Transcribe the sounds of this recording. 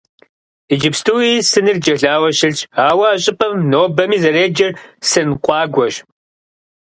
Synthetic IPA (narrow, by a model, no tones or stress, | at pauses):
id͡ʒɪpstʰuːiːsɨnɨrd͡ʒɐɮaːwɐɕɪɮt͡ʃaːwɐaːɕʼɪpʰʼɐmnoːbɐmiːzɐɾeːd͡ʒɐrsɨnqʷʼɑːɡʷɔʒ